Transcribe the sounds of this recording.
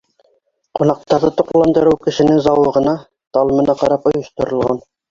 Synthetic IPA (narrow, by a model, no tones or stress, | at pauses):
qunɑq̚t̪ɑɾðɤt̪ŏqlˠɑnd̪ɤ̆ɾɤwkɘ̆ʃɘ̆nɘŋzɑwɤ̆ʁɤ̆nɑ | t̪ɑlˠɤ̆mɤ̆nɑqɑɾɑpŏjɤ̆ʃt̪ŏɾɤ̆lˠʁɑ̰n